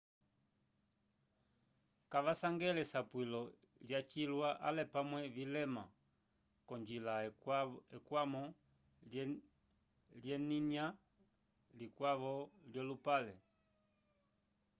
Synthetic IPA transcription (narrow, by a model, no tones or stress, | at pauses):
kavasaŋɡɛlɛsapwilɔ | ljat͡ʃilwaʔalɛpamwɛvilɛma | kɔnd͡ʒila | ɛkwamɔ | ljɛnina | likwavɔljɔlupalɛ